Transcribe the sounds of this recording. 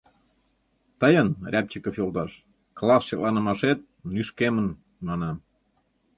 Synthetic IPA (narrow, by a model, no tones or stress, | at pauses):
t̪əjənrʲæp̚t͡ɕəkəfjolˠd̪ɑʃ | klˠɑsʃelɑnə̆mɑʃet̪̚nyʃkemə̆n | mɑnɑm